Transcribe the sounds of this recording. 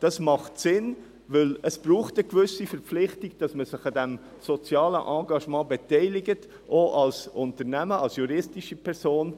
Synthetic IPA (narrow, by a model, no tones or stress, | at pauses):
d̥ɑsmɑχtsɪn | vɪləsb̥ɾuːχtəkʋʏsifɛɾpp͡fflɪχtiɡ̥̚d̥ɑsməsɪχɑdɛm | sɔt͡sjɑːlə̰ʔɑ̃ːɡɑʃmɑ̃ːbɛtɛɪlɪɡət | ʔoʔɑlsʔʊntəɾnæməɑlsjuɾɪstiʃipʰɛɾsoːn